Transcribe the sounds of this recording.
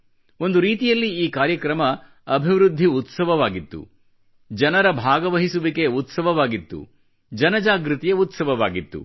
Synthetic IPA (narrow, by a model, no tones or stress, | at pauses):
o̞nd̪uɾiːt̪ijɐlːiiːkaːɾjɐkɾɐmɐ | ɐbʱiʋɾud̪ʱːiut̪sɐʋɐʋaːɡit̪ːṵ | d͡ʒɐnɐɾɐbʱaːɡɐʋɐɦisuʋike̞ut̪sɐʋɐʋaːɡit̪ːṵ | d͡ʒɐnɐd͡ʒaːɡɾit̪ijɐut̪sɐʋɐʋaːɡit̪ːṵ